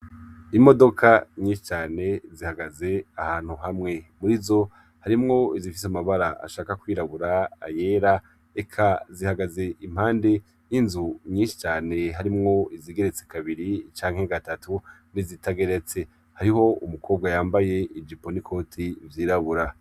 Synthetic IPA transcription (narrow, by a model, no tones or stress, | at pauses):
imo̞do̞kʰaɲĩːnʃi̥t͡ʃaːne̞zihaɡaze̞ahaːn̥huɦamŋe̞muɾizo̞ | haɾimŋo̞izifi̥s̬amaβaɾaa̰ʃaːkakwiːɾaβuɾa̰ːje̞ːɾa | ekʰazihaɡaze̞ʔim̥haːnde̞ | jinzuɲiːnʃi̥t͡ʃaːne̞ɦaɾimŋo̞iziːɡe̞ɾe̞t͡sekaβiɾit͡ʃaːŋ̥he̞ɡatatʰu | nizitaɡe̞ɾe̞t͡se̞ | haɾiɦo̞umukʰo̞ːb̚ɡajaːmbaje̞id͡ʒipo̞nikʰo̞ːtʰivjiːɾaβuɾa